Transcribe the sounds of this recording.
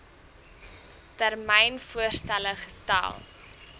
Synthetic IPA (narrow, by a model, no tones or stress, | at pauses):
tærmɛjnfuərstæləχəsta̰lˠ